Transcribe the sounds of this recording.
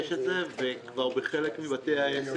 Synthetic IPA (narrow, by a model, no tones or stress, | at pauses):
ʃetzevekvaʁbeχelekmibat̪eajess